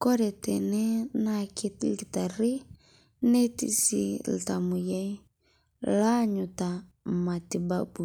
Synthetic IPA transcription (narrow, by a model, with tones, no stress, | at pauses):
kɔ˦ɾɛ˨tɛ̰˨nɛ˦na˦ki˦tlɡi˨ta˨ɾi˦ | nɛ˦tḭ˦sḭ˦l̩˨ta˨mu˨jɛ˦ | la˦ɲu˨ta˨ma˨ti˨ba˦bu˨